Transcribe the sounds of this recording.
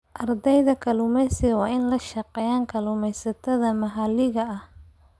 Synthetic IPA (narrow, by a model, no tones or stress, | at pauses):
ʔɐrd̪ɛjðɐkʰɐlʊmɛsɪɣɐwɑːɪnlɐʃɐqɛːjaːŋkʰɐlʊmɛjsɐt̪ʰɐðɐmɐɦɐlɪɣɐɐh